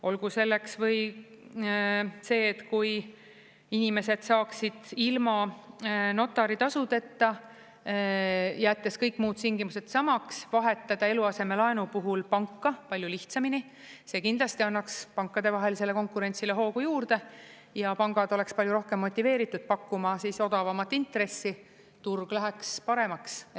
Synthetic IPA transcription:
o̞lkuse̞lːe̞ksvɤ̞j | se̞ːt̪kuj | inime̞se̞d̪̥sɑːksid̪̥ilmɑ | no̞t̪ːˑɑɾit̪ɑsut̪e̞t̪ːɑ | jæːt̪ːˑe̞skɤjkːˑmuːd̪̥t̪iŋɡ̥imuse̞d̪sɑmɑksvɑɦe̞t̪ˑːɑd̪̥ɑe̞luɑse̞me̞lɑenupuɦulpɑŋkːɑpɑlʲjuliht̪sɑmini | se̞ːkind̪lɑst̪iɑnːɑkspɑŋkːˑɑd̪e̞vɑɦe̞lise̞le̞ko̞ŋkuɾe̞nʲt̪sile̞ɦo̞ːkujuːrd̪e̞ | jɑpɑŋɡ̥ɑd̪o̞le̞kspɑljuɾo̞hke̞mːo̞t̪ʲːˑive̞ːɾit̪ːˑud̪̥̚pɑkːumɑsiːso̞d̪̥ɑvɑmɑt̪ːˑint̪ɾe̞sːi | t̪urɡ̥læɦekspɑɾe̞mɑks

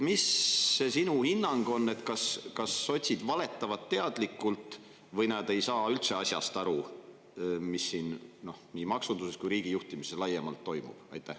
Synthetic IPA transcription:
misːesinuhinːɑŋɡ̥o̞nːe̞t̪kɑskɑsːo̞t̪ʲsid̪̥vɑle̞t̪ːˑɑvɑt̪ːe̞ɑd̪̥likːˑult̪ˑ | vɤjnɑd̪e̞jsɑːylt̪se̞ɑsjɑ̰st̪ɑɾu | misːinno̞hniːmɑksund̪useskujɾiːɡ̥ijuht̪imiselɑjːemɑ̰lt̪ːo̞jmṵb̥ɑ̰jt̪ːˑæh

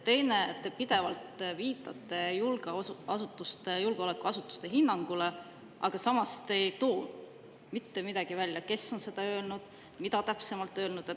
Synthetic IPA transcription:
t̪e̞jne̞t̪ːe̞pid̪̥e̞vɑlt̪viːt̪ːˑɑt̪ːˑe̞julɡ̥eɑsut̪ːˑust̪ejulɡ̥eolekːˑuɑsut̪ːˑu̥st̪e̞ɦinːɑŋɡ̥ule̞ | ʔɑɡ̥ɑsɑmɑst̪e̞jt̪o̞ː | mit̪ːe̞mid̪̥ɑɡ̥ivælʲjɑke̞sːo̞nse̞d̪̥ɑø̞ːlnud̪̥ | mid̪ɑt̪æpse̞mɑlt̪ːˑø̞ːlnud̪̥e

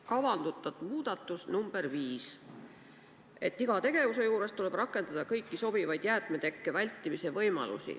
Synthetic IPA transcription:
kɑvɑnd̪̥ut̪ːˑɑt̪muːd̪̥ɑt̪ːˑusnumb̥eɾviːs | e̞t̪ːiɡ̥ɑt̪e̞ɡ̥e̞vuse̞juːɾe̞st̪ule̞b̥rɑkˑːe̞nd̪ɑd̪̥ɑkɤjkːiso̞b̥ivɑjd̪̥jæːt̪ˑmet̪e̞kːevælʲt̪ːˑimise̞vɤjmɑ̰lṵsḭ

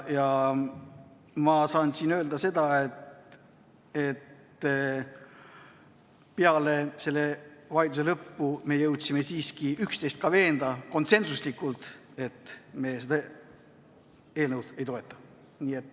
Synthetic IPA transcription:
jɑ | mɑsɑːnsinø̞ːld̪̥ɑse̞d̪̥ɑe̞t̪ | e̞t̪ː | peɑle̞se̞lːe̞vɑjt̪uselɤpːume̞jɤwt̪ʲsime̞siːskiykst̪e̞jst̪̚kɑve̞ːnd̪ɑko̞nt̪se̞nsuslikːˑult̪ | e̞t̪ːme̞ːsed̪ɑ | e̞ːlnɤwd̪̥e̞jt̪o̞e̞t̪ːˑɑ̥ | niːe̞t̪ːˑ

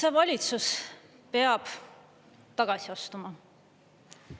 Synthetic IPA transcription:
se̞vɑlʲit̪sus | pe̞ɑb̥ | t̪ɑɡ̥ɑsiɑst̪umɑ

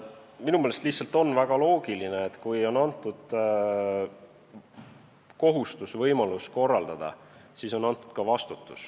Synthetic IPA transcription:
minumelest̪lihtsɑlt̪ˑo̞nːvæɡ̥ɑlo̞ːɡilineet̪ːkujo̞nɑnt̪ːˑud̪̥ | ko̞ɦust̪usvɤjmɑlusko̞rːɑld̪̥ɑd̪̥ɑ̰ | siːso̞nːɑnt̪ːˑu̥d̪̥kɑvɑst̪ut̪ːˑu̥s

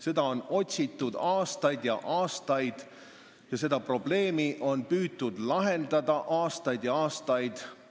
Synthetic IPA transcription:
se̞d̪̥ɑo̞no̞t̪ʲsit̪ːˑud̪̥ɑːst̪ɑjd̪jɑʔɑːst̪ɑjd̪̥ | jɑse̞d̪̥ɑpro̞b̥le̞ːmiʔo̞npyːt̪ːud̪lɑɦe̞nd̪̥ɑd̪ɑʔɑːst̪ɑjd̪̥jɑɑːst̪ɑjd̪̥

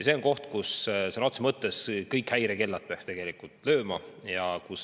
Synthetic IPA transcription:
jɑse̞oŋko̞ht̪kussenot̪semɤt̪ːeskɤjkhæjɾeke̞lːɑt̪̚pekst̪e̞ɡ̥e̞likˑult̪ːˑlø̞ːmɑjɑkus

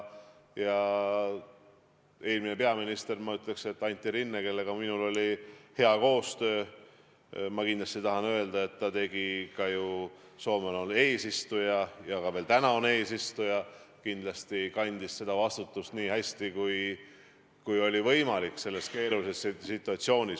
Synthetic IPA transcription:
jɑ | e̞ːlmine̞pe̞ɑminist̪e̞rmɑyt̪ˑle̞kse̞t̪ːɑnʲt̪ːˑiɾinːeke̞lːe̞ɡ̥ɑminulo̞lʲihe̞ɑko̞ːst̪ø̞ː | mɑkind̪lɑst̪it̪ɑɦɑnø̞eld̪ɑe̞t̪ːɑt̪e̞ɡ̥ikɑju | so̞ːmenone̞ːsist̪ujɑjɑɡ̥ɑve̞ːlt̪ænɑone̞ːsist̪ujɑ | kind̪lɑst̪ikɑnʲd̪̥isse̞d̪̥ɑvɑst̪ut̪ːˑust̪niːhæsʲt̪ikuj | kujo̞lʲivɤ̞jmɑlikːˑse̞lːe̞st̪ke̞ːɾulise̞ssːit̪ːˑuɑt̪sio̞ːnʲis

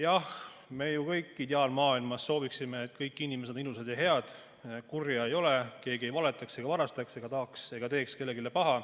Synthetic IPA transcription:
jɑhme̞jukɤjkːit̪ʲeɑlmɑːilmɑsːo̞ːviksime̞ːt̪ːˑkɤjkːˑinʲimeenilused̪̥jɑɦe̞ɑd̪̥ | kurjɑejo̞leke̞ːɡiejvɑle̞t̪ːˑɑkse̞ɡɑvɑɾɑst̪ɑkse̞ɡ̥ɑt̪ɑɑkse̞ɡ̥ɑt̪e̞ːkskelːe̞ɡile̞pɑɦɑ

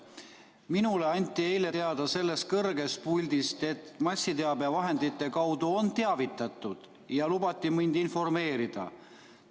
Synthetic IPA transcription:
minule̞ɑnʲt̪ːˑie̞jle̞t̪eɑd̪̥ɑse̞lːe̞st̪̚kɤrɡ̥e̞st̪̚pulʲd̪̥ist̪e̞t̪mɑsʲːit̪e̞ɑbevɑɦe̞nd̪it̪ːˑe̞kɑwd̪uo̞nt̪e̞ɑvit̪ːˑɑt̪ːˑud̪̥ | jɑlub̥ɑt̪ːˑimind̪̥info̞rme̞ːɾid̪̥ɑ̰

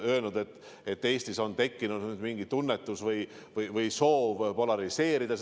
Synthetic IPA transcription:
ø̞elnud̪̥e̞t̪ːˑ | e̞t̪ːe̞ːst̪iso̞nt̪e̞kːinud̪nyd̪miŋɡ̥it̪unːet̪ːˑusvɤj | vɯjvɯjso̞ːvpo̞lɑɾise̞ːɾid̪̥ɑs

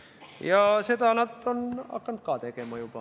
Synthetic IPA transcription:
jɑset̪ɑnɑt̪ːonɑ̰kːɑnt̪̚kɑt̪ekemɑjupɑ

